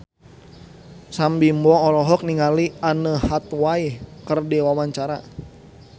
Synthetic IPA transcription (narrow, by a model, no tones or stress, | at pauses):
sambimbɔːlɔɦɔk̚niŋalianəhat̪waikərdiwawaɲt͡ʃaɾa